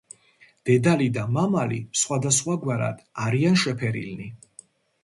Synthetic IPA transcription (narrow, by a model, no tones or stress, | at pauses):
d̪̥ɛd̪alid̪amamalḭsχwad̪asχwaɡwaɾa̰d̪̥aɾianʃɛpʰɛɾḭlni